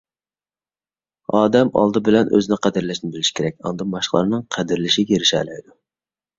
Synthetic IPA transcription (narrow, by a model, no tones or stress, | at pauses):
ɑːd̪ɛmɑ̰lˠd̪ɨbɪlɛnø̰zɪnɪqʰæd̪ɨɾlɛʃnɪbɪlɪʃi̥kʰʲeɾɛk̚ʲɑ̰nd̪ɑmɑʃqlˠɑ̰ɾnɨŋqʰæd̪ɪɾlɪʃiɡʲeɾɪʃɛ̰lɛjd̪u